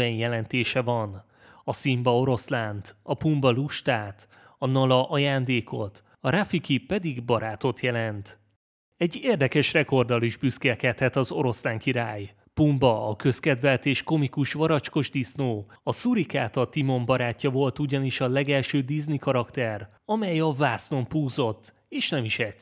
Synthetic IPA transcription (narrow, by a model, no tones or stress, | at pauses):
ɛnjɛlɛnt̪eːʃɛvɒn | ɒsimbɒo̞ɾo̞slaːnt̪ɒpumbɒluʃt̪aːt̪ | ɒnɒlɒʔɒjaːnd̪eːko̞̰t̪ | ɒɾafikipːɛd̪iɡbɒɾaːt̪o̞t̪jɛlɛnt̪ | ɛɟːeːrd̪ɛkɛʃrɛko̞rd̪ɒliʒbyskɛlkɛt̪hɛt̪ɒzo̞ɾo̞slaːŋkiɾaːj | pumbɒɒkø̞skɛd̪vɛlt̪eːʃko̞mikuʃʋɒɾɒt͡ʃko̞ʒd̪isnoːɒsuɾikaːt̪ɒt̪imo̞mbɒɾaːcːɒvo̞lt̪uɟɒniʃɒlɛɡɛlʃøːd̪iznikɒɾɒkt̪ɛr | ɒmɛjɒvaːsno̞mpuːzo̞t̪ː | eːʃnɛmiʃɛ